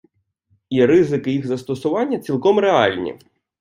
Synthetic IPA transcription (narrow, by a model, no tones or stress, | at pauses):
iɾɪzɪkɪjixzɐst̪ɔsʊʋɑnʲːɐt͡sʲilˠkɔmɾeɑlʲnʲḭ